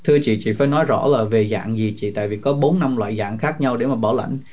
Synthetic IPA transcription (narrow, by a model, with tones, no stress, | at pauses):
t̪ʰɨ˧ət͡ɕḭ˧˨t͡ɕḭ˧˨faː˧˩jnɔ˨˦jzɔ̰˧˥laː˨˩ve˨˩za̰ː˧˨ŋzi˨˩t͡ɕḭ˧˨t̪a̰ː˧˨jvi˨˩kɔ˨˦ɓo˨˦nːa˧mlwa̰ː˧˨jza̰ː˧˨ŋxaː˦˥k̚ɲa˧wɗe˧˩maː˨˩ɓɔ˧˩wla̰˧˨jŋ̟